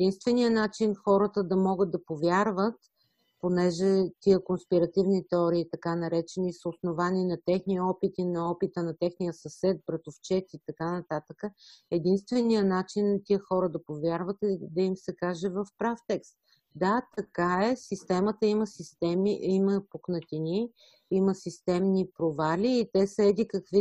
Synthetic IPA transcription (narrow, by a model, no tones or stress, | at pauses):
ɛd̪inst̪vɛnijənat͡ʃinxɔɾət̪əd̪ɐmɔɡəd̪̚d̪ɐpovʲjaɾvət̪ | ponɛʒɛt̪iəkonspiɾɐt̪ivnit̪ɛɔɾiːt̪ɐkanɐɾɛt͡ʃɛnisəʊsnovaniːnɐt̪ɛxniəɔpit̪inɐɔpit̪ənɐt̪ɛxnijəsɐsɛt̪̚bɾɛt̪ʊft͡ʃɛt̪it̪ɐkanɐt̪at̪əkəɛd̪inst̪vɛnijənat͡ʃinːɐt̪iəxɔɾəd̪ɐpovʲjaɾvət̪d̪ɐimsɛkaʒɛvɐfpɾaft̪ɛkst̪ | d̪at̪ɐkaɛsist̪ɛmət̪əiməsist̪ɛmiiməpoknɐt̪ini | iməsist̪ɛmnipɾovaliːt̪ɛsəɛd̪ikɐkvi